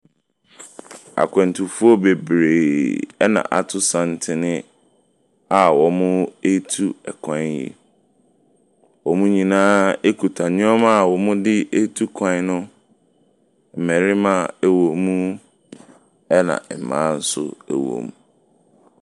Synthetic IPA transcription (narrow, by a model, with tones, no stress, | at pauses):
a̰˨kʷʰɛ̃˨n̩˨tʰʊ˨fu˦ɔ˦be˨bɾe˨ɛ˦nã̰˨ʔa˨tʰʊ˦sã˨n̩˦tʰɪ˨nɪ̃˦ | a˨wɔ˨mʊ̃˦e˦tʰu˦ɛ˨kʰã˨˦jḭ˨ | wɔ˨mũ˦ɲĩ˨nãː˦e˦kʰu˨tʰa˨ɲʊ̃˦ɔ˦ma˦˨wɔ˨mʊ̃˦dɪ˦e˦tʰu˦kʰã˦nʊ̃˦˨ | mɛ̃˨ɾɪ˦mã˨e˨wo˨mũ˦ | ɛ˦nã̰˨mã̰ː˨˦n̩˦sʊ̰˦ɛ̰˨wõ̰˨m˨